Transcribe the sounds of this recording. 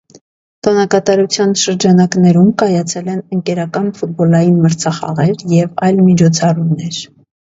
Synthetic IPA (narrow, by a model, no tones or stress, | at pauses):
t̪ɔnɑkɑt̪ɑɾut͡sʰjɑnʃəɾd͡ʒɑnɑknɛɾumkɑjɑt͡sʰɛlɛnəŋkɛɾɑkɑnfut̪̚bɔlɑjinməɾt͡sʰɑχɑ̰ʁɛɾjɛvɑjlmit͡ʃʰɔt͡sʰɑrumnɛɾ